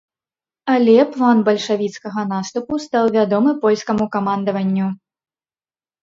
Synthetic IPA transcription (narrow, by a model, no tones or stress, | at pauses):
ɐlʲɛplˠanbɐlʲʂavʲit̪skɐɣɐnast̪upust̪awvʲad̪ɔmɨpɔlʲskɐmukɐmand̪ɐvɐnʲːu